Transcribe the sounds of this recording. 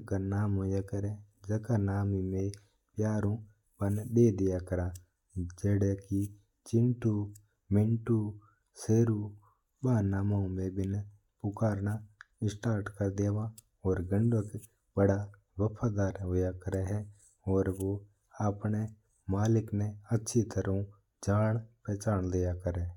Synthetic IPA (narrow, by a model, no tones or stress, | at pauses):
kanaːmɦojakəɾed͡ʒɐkanaːmimẽ | pjaːɾõ | bənɗ̪eːd̪ɪjakəɾaː | d͡ʒeːɽeki | t͡ʃɪnʈu | mɪ̃ɳʈu | seːɾu | baːnaːmaũmẽbɪn | pʊkaːɾnaɪsʈaːɾʈkəɾd̪jaːʋaː | ɔːɾɡəɳɖək | bəɽaː | ʋəpʰaːd̪aːɾɦʊjakəɾɛːɦɛː | ɔːɾʋoː | aːpɳe | maːlɪknẽətːʃʰit̪əɾũ | d͡ʒaːɳpɛːt͡ʃaːɳd̪ɪjakəɾeː